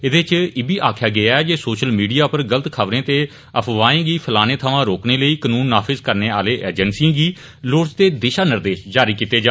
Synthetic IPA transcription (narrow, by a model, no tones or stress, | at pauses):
ɪd̪et͡ʃɪbiːʔaːkʰjaːɡɪaːɛːd͡ʒeːsoːʃəlmiːɖijaːpəɾɡəlt̪kʰəʋɾẽːt̪eː | əpʰʋaːẽːɡiːpʰəlaːneːt̪ʰəʋãːɾoːkneːləiːkənuːnːaːpʰɪzkəɾneːaːleːʔḛːd͡ʒənsiːãːɡiː | loːɽt͡ʃt̪eːd̪ɪʃaːnɪɾd̪eːʃd͡ʒaːɾiːkiːt̪eːd͡ʒaː